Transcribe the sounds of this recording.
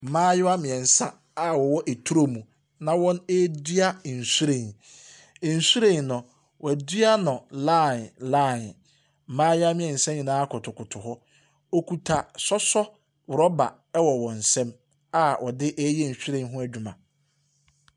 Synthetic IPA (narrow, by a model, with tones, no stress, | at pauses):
m̩˨mãː˦jʊ˦a˦mɪ̃˨ɛ˨n̩˨sã˦ | a˦wɔ˨wɔ˦ʔe˨tʰu˦ɾo˦mũ˨ | nã˨wɔ̃˦ne˦di˦a˦˨n̩˨su˦ɾẽ˨n | ɛ˨n̩˨su˦ɾẽ˨nʊ̃˨ | wʔɔ˨æ˨dɥa˦nʊ̃˨la˦˨nla˦˨n | m̩˨mãː˦jɪ˦a˦mɪ̃˨ɛ̃˨n̩˨sɛ̃˦ɲĩ˨nãː˦kʰʊ˨tʰʊ˨kʊ˨tʰʊ˨hɔ˦ | o˦kʰu˨tʰa˨sɔ˦sɔ˦ | wʊ˨ɾɔ˦ba̰˨ | ɛ˦wɔ˨wɔ̃˨n̩˨sɛ̃˦m | a˦wɔ˨dɪ˦ʔɛ˦jɛ˦˨n̩˨su˦ɾẽ˦˨˦ɦʊ̃˦æ˦d͡ʑᶣu˦mã˨